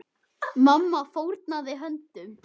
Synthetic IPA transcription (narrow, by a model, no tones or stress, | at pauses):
mamːafowɾt̪naðɪɦœnt̪ʏm